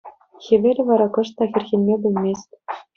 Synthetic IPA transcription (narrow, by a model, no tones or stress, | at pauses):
xʲeʋʲelʲɘ̆ʋɑɾɑkɤ̆ʂt̪ɑxʲɘ̆rʲxʲenʲmʲebʲɘ̆lʲmʲesʲtʲ